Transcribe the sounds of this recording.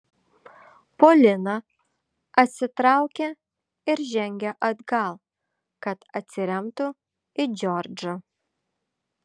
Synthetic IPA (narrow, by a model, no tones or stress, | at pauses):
poːlʲɪnɐ | ɐt̪ʲsʲɪt̪ɾɑˑʊkʲe | ɪɾʒʲɛŋʲɡʲɛʔɐd̪ɡɐlˠ | kɐt̪ɐt̪ʲsʲɪɾʲɛmt̪ʊ | ɪd͡ʒʲɔɾʲd͡ʒɐ